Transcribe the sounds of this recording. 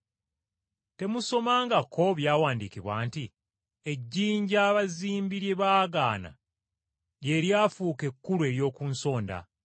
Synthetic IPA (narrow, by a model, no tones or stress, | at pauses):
te̞muso̞maːŋɡakʰo̞βjaːwaːndikiβwa̰ːnti | e̞ɟːiːɲɟaːβaziːmbiɾjeβaːɡaːna̰ | je̞ɾjaːfuːke̞kːulwe̞ɾjo̞ːkunso̞ːnda̰